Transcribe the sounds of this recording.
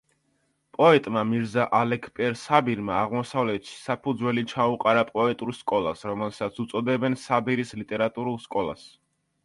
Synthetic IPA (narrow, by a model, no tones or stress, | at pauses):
pʼɔɛt̪ʼmamiɾzaʔalɛkʰpʼɛɾsabiɾmaːʁmɔsavlɛt̪ʃi̥sapʰud̪zwɛlit͡ʃʰauqʼaɾapʼɔɛt̪ʼuɾskʼɔlˠasɾɔmɛlˠsat̪sʰut̪sʼɔd̪ɛbɛnsabiɾislit̪ʼɛɾat̪ʼuɾulˠskʼɔlˠa̰s